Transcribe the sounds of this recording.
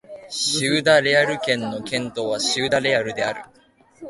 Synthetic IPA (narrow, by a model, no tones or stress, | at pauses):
ɕɨːd̪aɾe̞aɾɯ̟kẽ̞nːo̞kẽ̞nt̪o̞ːβ̞aɕɨːd̪aɾe̞aɾɯ̟d̪e̞aɾɯ̟̰